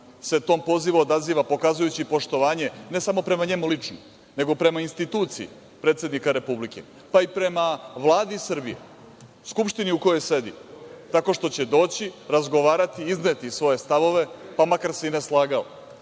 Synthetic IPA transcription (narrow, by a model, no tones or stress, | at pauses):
se̞t̪o̞ːmpo̞ziʋuod̪aziːʋapo̞kazujut͡ɕipo̞ʃt̪o̞ʋaːɲene̞samo̞pɾe̞maɲe̞mulit͡ʂno | ne̞ɡo̞pɾe̞mainst̪it̪uːt̪siḭ | pɾet̪sje̞d̪nikaɾe̞publikḛ | paipɾe̞maʋlˠaːd̪isr̩bḭjḛ | skupʃt̪iniuko̞jo̞jse̞d̪ḭt̪ako̞ʃt̪o̞t͡ɕe̞d̪o̞ːt͡ɕiɾazɡo̞ʋaːɾat̪iiznet̪isʋo̞je̞st̪aʋo̞ʋe̞pamakaɾseineslˠaːɡao̰